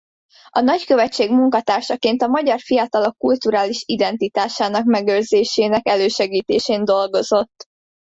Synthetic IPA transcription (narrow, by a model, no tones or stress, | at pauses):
ɒnɒckø̞vɛt͡ʃːeːɡmuŋkɒt̪aːrʃɒkeːnt̪ɒmɒɟɒrfijɒt̪ɒlo̞kːult̪uɾaːliʃid̪ɛnt̪it̪aːʃaːnɒkmɛɡølzeːʃeːnɛkɛløːʃɛɡiːt̪eːʃeːnd̪o̞lɡo̞zo̞t̪ː